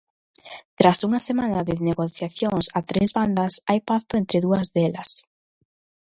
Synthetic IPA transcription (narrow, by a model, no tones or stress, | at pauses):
t̪ɾasuŋasemanaðɪneɣoθjaθjoŋsat̪ɾezβand̪asajpaθt̪ʊent̪ɾɪðuɐzðelas